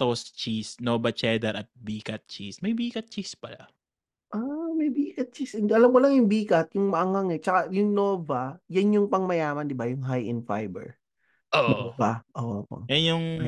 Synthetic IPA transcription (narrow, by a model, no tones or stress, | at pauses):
t̪ost͡ʃisnoːbɐt͡ʃɛːd̪ɛɾɐt̪̚biːkɐt̪̚t͡ʃismɐjbiːkɐt̪̚t͡ʃispɐla̰ | ʔamɐjbiːkɐt̪̚t͡ʃisɪnʔɐlɐmkʊlɐŋjʊŋbiːkɐt̪̚jʊŋmɐʔɐŋaŋɛt͡ʃɐkajʊŋnoːvɐjanjʊŋpɐŋmɐjaːmɐnd̪ɪbajʊŋɦajʔɪ̰nfa̰jbɛ̰ɹ | ʔoʔnvaʔoːʔopɐ̰ŋʔɛjʊŋ